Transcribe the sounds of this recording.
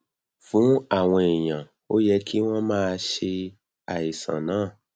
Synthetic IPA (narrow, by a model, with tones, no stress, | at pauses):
fũ˨˦a˦˨w̃ɔ̃˧e˨j̃ã˨ | o˦jɛ˧kʰi˦w̃ɔ̃˦mãː˦˧ʃe˧ | a˨i˨sã̰˨nãː˨˦˨